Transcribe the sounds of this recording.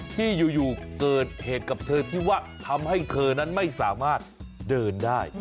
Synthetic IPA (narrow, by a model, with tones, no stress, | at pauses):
t̪ʰiː˥˩juː˨˩juː˨˩kɤː˨˩t̪̚heː˨˩t̪̚ka˨˩p̚t̪ʰɤː˧t̪ʰiː˥˩waː˥˩t̪ʰa˧mha˥˩jt̪ʰɤː˧na˦˥nma˥˩jsaː˩˦maː˥˩t̪̚dɤː˧ndaː˥˩j